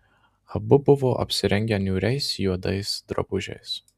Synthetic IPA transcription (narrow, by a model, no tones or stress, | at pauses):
ɐbʊbʊʋoːʔɐ̰pʲsʲɪɾʲɛŋʲɡʲɛnʲuːɾʲɛɪsjuɔd̪ɐɪsd̪ɾɐ̰bʊʒʲɛ̰ɪs